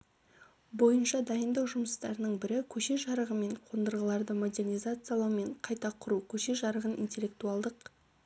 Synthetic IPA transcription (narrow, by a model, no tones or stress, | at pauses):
bo̞jənʃɑd̪ɑjənd̪ɑwʒʊməst̪ɑ̰ɾənəɴbɪɾɪkʲʰɵʃe̞ʒɑɾəʁəme̞ɴqʰond̪əɾʁəlˠɑɾd̪əmo̞d̪e̞rnijzat̪sɨjalˠɑwme̞ɴqʰɑjt̪ɑqʰʊɾukʲʰɵʃe̞ʒɑɾəʁənʔḭnt̪ʲe̞lːe̞k̚t̪uɑlˠd̪əq